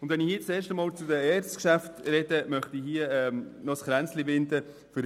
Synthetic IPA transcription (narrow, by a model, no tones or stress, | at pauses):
ʊndvɛnɪhiːət͡seːɾʃtəmɑːlt͡sʊdəɛːɾt͡skʃæftɾɛdəmœχtihiəɛːnɔsχɾænt͡slivɪnd̪ə | fʏɾ